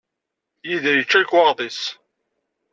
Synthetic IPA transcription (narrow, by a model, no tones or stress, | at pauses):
jiðjət͡ʃːækwɑʁðˤis